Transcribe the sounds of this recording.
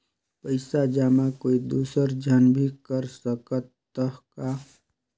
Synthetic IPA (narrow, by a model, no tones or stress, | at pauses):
pəɪsad͡ʒaːmakoːid̪uːsəɾd͡ʒʱənbʱikəɾsəkət̪ː | əɦka